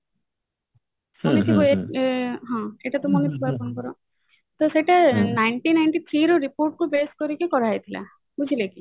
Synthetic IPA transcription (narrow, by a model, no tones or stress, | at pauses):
sɔnet̪ʰiboekɦɔ̃eʈat̪ɔmɔnet̪ʰibapɔnkɔɾɔ | t̪ɔseʈanajɳʈinajɳʈit̪ʰɾiɾɔɾipoɾʈ̚kobeskɔɾikekɔɾajt̪ʰila̰ | bud͡ʒʱileki